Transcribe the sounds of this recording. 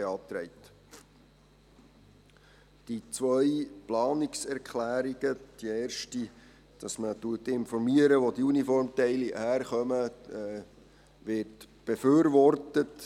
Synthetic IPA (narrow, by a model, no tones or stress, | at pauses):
eɑːt̪ɾɛɪt | d̥it͡sʋœjplɑːnɪksɛɾkχlæːɾiɡ̥əd̪̥ieːrʃti | d̥ɑsmətuətɪnfɔɾmiəɾəʋodiunifɔɾmtɛɪlihæːɾχœmə | ʋɪɾtb̥eføːɾʋɔrtət